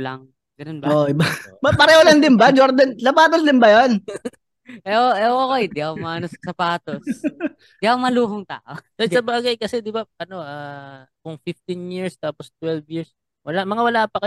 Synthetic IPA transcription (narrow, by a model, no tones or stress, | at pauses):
lɐ̰ŋ | ɡɐnonbaoʔɪbaɐpɐɾɛholɐnd̪ɪnbad͡ʒoɾd̪ɐnsɐpaːt̪osd̪ɪnbɐjon | ʔɛʔoʔɛʔoʔokojd̪ɪʔɐomɐnossɐpaːt̪os | d̪ɪɐʔomɐluːhoŋt̪a̰ːʔosɐsɐbaːɡɐjkɐsɛd̪ɪbaɐno̞ʔaːkʊŋfɪft̪injiɹst̪aːpost̪wɛlvjiɹs | wɐlamɐŋawɐlaːpɐkɐ